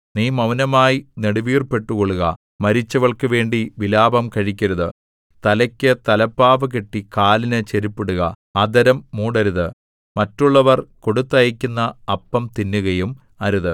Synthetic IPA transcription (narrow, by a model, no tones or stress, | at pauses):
niːmɐwnɐmaːjineɽuʋiːrpe̞ʈːukoɭːuɣɐ̰ | mɐɾit͡ɕːɐʋɐɭkɨʋe̞ːɳɖiʋilaːbɐmkɐɻikʲːɐɾɐðɨ | t̪ɐlɐkʲːɨt̪ɐlɐpːaːʋɐkeʈːikaːlinɨt͡ɕe̞ɾipːeɽuɣɐ̰ | ɐd̪ɐɾɐmːuːɽɐɾuðɨ | mɐtːuɭːɐʋɐrko̞ɽut̪ːɐjɐkʲːunːɐːpːɐmt̪inːuɣɐjum | ɐɾuðɨ